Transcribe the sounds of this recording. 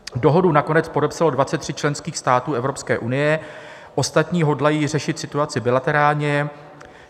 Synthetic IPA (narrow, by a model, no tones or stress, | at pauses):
do̞ɦodunako̞nɛt͡spo̞dɛpsalo̞dvatt͡sɛt̪ːr̝ɪt̚t͡ʃlɛnskiːxst̪aːt̪uːʔɛvɾo̞pskɛːʔunɪjɛ | ʔo̞st̪at̪ɲiːɦo̞dlajiːr̝ɛʃɪt̪sɪt̪uat͡sɪbɪlat̪ɛɾaːlɲɛ